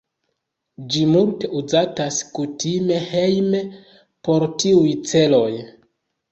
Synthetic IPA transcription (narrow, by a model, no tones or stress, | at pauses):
d͡ʒimulte̞ʔuzataskutime̞he̞jme | po̞ɾtiujt͡se̞lo̞j